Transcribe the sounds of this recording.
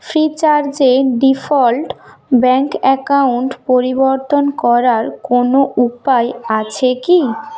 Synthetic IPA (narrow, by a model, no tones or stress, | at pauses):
fɾit͡ɕaɾd͡ʑeɖifɔlʈ | bɛŋkɛkauɳʈpoɾiboɾt̪onkɔɾaɾkonoʔupaeat͡ɕʰeki